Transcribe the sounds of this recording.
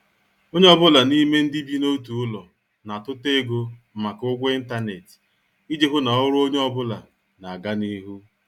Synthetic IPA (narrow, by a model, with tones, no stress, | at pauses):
o˦ɲe˦ɔ˦bʊ˦la˨ni˦me˦n̩˦di˦bi˦no˦tu˨ʊ˦lɔ˨ | na˨tʊ˦te˦ɡo˦m̩˨ma˨kʊ˦ɡʷi˦n̩˦ta˦ne˨t | i˦d͡ʒe˦ɦʊ˦na˨˦ɾʊ˦o˦ɲe˦ɔ˦˨bʊ˦la˨ | na˨a˨ɡa˦ni˦ɦu˦